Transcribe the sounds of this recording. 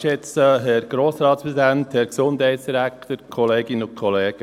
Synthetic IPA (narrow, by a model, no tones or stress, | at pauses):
ʃɛt͡səɦɛɾɡ̥ɾoːsɾɑːtspɾɛsid̪ænt̪hɛɾksʊndhɛɪtsd̥iɾækt̪əɾkʰɔleːɡɪnəʊnkʰɔleːɡ̥ə